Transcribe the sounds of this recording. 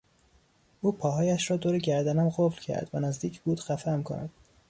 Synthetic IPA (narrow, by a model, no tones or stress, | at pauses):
ʔuːpʰɒːɦɒːjæʃɾɒːd̪oːɾeɟæɾd̪ænæmɢoflcʰæ̰ɾd̪̥vænæzd̪iːcʰbuːd̪̥xæfæmkʰo̰nʔæ̰d̪̥̚